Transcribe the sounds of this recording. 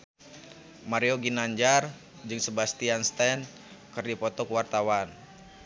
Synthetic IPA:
maɾioɡinaɲd͡ʒar | d͡ʒɨŋsəbast̪ianst̪ɛn | kɨrdipɔt̪ɔkəwart̪awan

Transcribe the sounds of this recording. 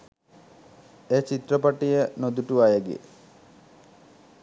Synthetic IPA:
eːt͡ʃit̪rəpaʈijənod̪uʈuajəɡḛ

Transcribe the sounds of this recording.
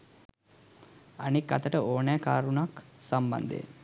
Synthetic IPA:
anikːat̪əʈəʔoːnɛːkaːɾunaksamba̰nd̪ḛ

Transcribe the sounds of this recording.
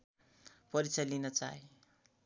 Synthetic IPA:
pʌɾit͡sʰʌlinʌt͡sa̰ɦe

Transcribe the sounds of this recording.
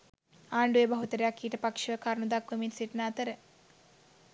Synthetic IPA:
aːɳɖuebɐɦut̪əɾejakːiːʈəpakʂəkaɾnud̪akʋəminsiʈnaːt̪əɾə

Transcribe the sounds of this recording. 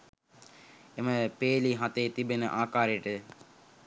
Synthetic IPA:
eməpeːliɦat̪eːt̪ibenəʔaːkaːɾeʈə

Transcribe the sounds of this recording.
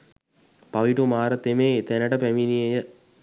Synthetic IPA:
paʋiʈumaːɾət̪emet̪ɛnəʈəpæminijejə

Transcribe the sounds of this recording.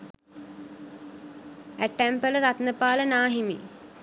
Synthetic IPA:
æʈːæmpələɾat̪nəpaːlənaːɦimḭ

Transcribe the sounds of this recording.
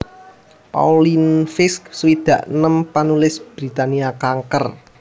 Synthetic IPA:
pa̰ulinfɪsksuwid̪̥ä̤ʔnəmpanulɪsb̥ɾit̪aniakaŋkər

